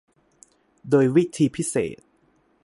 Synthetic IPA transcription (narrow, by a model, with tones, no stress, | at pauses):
doː˧jwi˦˥t̪ʰiː˧pʰi˦˥sḛː˨˩t̪̚